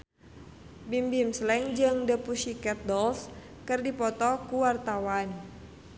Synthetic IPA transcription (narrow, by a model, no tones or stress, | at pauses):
bimbimslɛŋd͡ʒɨŋdəpusikɛt̪̚dɔls | kɨrdipɔt̪ɔkuwart̪awan